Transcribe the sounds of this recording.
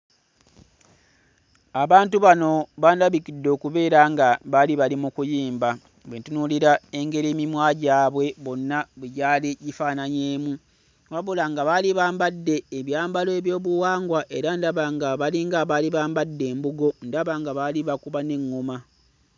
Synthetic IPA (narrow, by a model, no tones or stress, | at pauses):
aβaːntuβano̞βandaβikidːo̞ːkuβe̞ːɾaŋɡaβaliβalimukujiːmba | βwetunuliɾae̞ŋɡe̞ɾiːmimwaːɟaːβwe̞βo̞nːaβeɟaːliɟifaːnaɲeːmu | waβulaŋɡaβaliβaːmbadːe̞ːβjaːmbaloe̞βjo̞ːβuwaːŋɡwaʔe̞ɾandaβaŋɡaβaliŋɡaβaliβaːmbadːe̞ːmbuɡo̞ndaβaŋɡaβaliβakuβane̞ŋːuma